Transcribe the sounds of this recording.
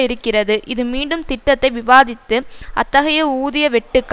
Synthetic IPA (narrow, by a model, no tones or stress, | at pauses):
ɪɾɯkːɪrɐðɯʔɪðɯmiːɳɖɯmt̪ɪʈːɐt̪ːɐɪʋɪʋaːðɪt̪ːɯɐ̰t̪ːɐɣɐjɐuːðɪjɐʋɛʈːɯkː